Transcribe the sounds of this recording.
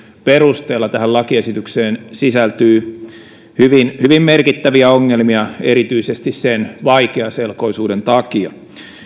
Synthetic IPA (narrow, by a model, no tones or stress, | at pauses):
perust̪eːlːɑt̪æhællɑkiesit̪ykseːnsisælt̪yː | hyʋinhyʋimmerkit̪ːæʋiæoŋːelmiɑeɾit̪yisest̪issenʋɑikeɑselko̞isuːdent̪ɑkiɑ